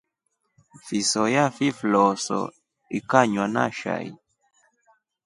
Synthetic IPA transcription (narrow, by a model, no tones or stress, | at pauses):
fisɔjafiflɔsɔ̰ | ikaɲwana̰ʃa̰ḭ